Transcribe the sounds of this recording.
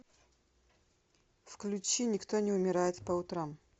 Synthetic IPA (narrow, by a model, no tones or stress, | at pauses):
fklʲʉt͡ɕinʲɪkt̪onʲɪʊmʲɪɾajɪt̪pəʊt̪ɾam